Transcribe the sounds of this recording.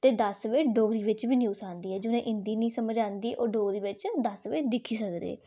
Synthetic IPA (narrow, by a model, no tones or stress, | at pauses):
t̪eːd̪əsʋeːɖoːɾiːʋɪt͡ʃʋiːnjuːsaːnd̪iːɛːd͡ʒɪnẽːʔɪnd̪iːnĩːsəməd͡ʒaːnd̪iːʔoːɖoːɾiːʋɪt͡ʃd̪əsʋeːd̪ɪkʰiːsəkd̪ḛː